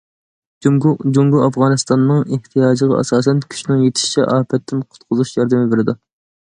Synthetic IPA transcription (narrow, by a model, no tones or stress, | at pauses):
d͡ʒuŋɡuɑfʁɑːnɨst̪ɑnːɨŋeht̪ʰijɑːd͡ʒəʁɑ̰ɑ̰sɑːsɛnkʲʰy̥ʃnɪŋjet̪ʰɪ̥ʃi̥t͡ʃʰɛ̰ʔɑːpʰɛt̪ːɪnqʰʊ̥t̪̚qʰʊzuʃjɑɾd̪ɪmɪbeɾɪd̪u